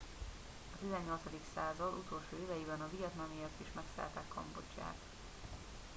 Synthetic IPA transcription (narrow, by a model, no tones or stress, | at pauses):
ɒt̪izɛɲːo̞lt̪sɒd̪iksaːzɒd̪ut̪o̞lʃoːeːvɛjibɛnɒvijɒt̪nɒmiert̪iʃmɛksa̰ːlt̪ɛkːɒ̰mbo̞t͡ʃːa̰ːt̪